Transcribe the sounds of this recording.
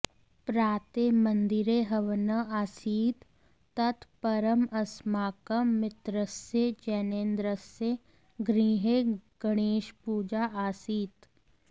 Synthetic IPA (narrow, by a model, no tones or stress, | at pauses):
pɾaːt̪emɐ̃nd̪ɪɾeɦɐʋnəaːsiːt̪ː | ɐt̪pɐɾəmɐsmaːkəmːɪt̪ɾəsjed͡ʒɛːneːnd̪ɾəse | ɡɾiːɦeɡ̥əɽ̃eːʃpuːd͡ʒaːʔaːsiːt̪